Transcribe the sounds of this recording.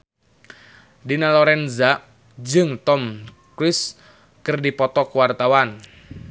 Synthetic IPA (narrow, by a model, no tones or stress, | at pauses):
dinalɔɾɛnza | d͡ʒɨŋt̪ɔm | kɾis | kɨrdipɔt̪ɔkwart̪awan